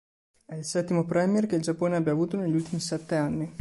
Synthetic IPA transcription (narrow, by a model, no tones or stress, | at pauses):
ɛilsɛt̪ːimopɾɛmjerkeild͡ʒapːoːneabjaːvuːt̪oneʎːult̪imisɛt̪ːeanːi